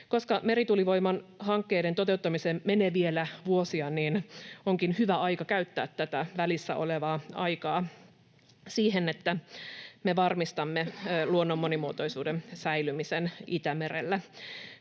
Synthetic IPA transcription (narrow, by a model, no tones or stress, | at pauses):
koskɑmeɾit̪uliʋoimɑnhɑŋkːeːdent̪ot̪eut̪ːɑmisemmeneːʋielæʋuosiɑniːnoŋkinhyʋæɑikɑkæyt̪ːæːt̪ːæt̪æʋælisːæ̰ʔo̰leʋɑːɑ̰ikɑː | siːhenet̪ːæmeʋɑrmist̪ɑmːeluonːomːonimuot̪oisuːdensæilymisenit̪æmeɾḛlːæ